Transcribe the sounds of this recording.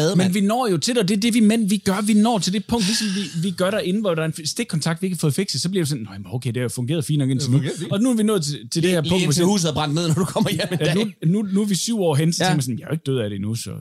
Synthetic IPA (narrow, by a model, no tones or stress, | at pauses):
ðˠmenʋinɒ̰ːjo̝t͡sʰe̝ld̥ɒ̽d̥e̝ɐd̥e̝ʋimen̰ʋiɡ̥ɶɐʋinɒ̰ːt͡sʰe̝ld̥epʰɔ̽ŋ̰d̥lisɒ̽mʋiʋiɡ̥ɶɐɾæɐe̝n̩ʋɒd̥ɑɐensd̥eɡ̥̚kʰːɒ̽nt͡sʰɑ̈ɡ̥d̥ʋie̝ɡ̥hɑfɔ̽ːð̞̩ˠfeɡ̥sð̩ˠsɒ̽b̥liɐɾ̥esɔ̽nːɔjæmnoʊkʰeɪde̝hæjo̝fɔ̽ŋɡ̥e̝ːɐðˠfḭːn̥nɒ̽ɡe̝nt͡senuɒ̽nuæɐʋinɔ̽ːð̩ˠt͡sʰe̝t͡sʰeld̥eheɐɔ̥̽shṵːs̬ð̩ˠæb̥ʁɑ̈n̰d̥með̰ˠnɒd̥ukʰɒm̰ɐjnununuæʋisyʊɒ̰ːɦensɒt͡seeŋɡ̥mjsɔ̽nm̩jɑ̈æoe̝ɡ̥d̥øð̰ˠæɾ̥enusɒ̽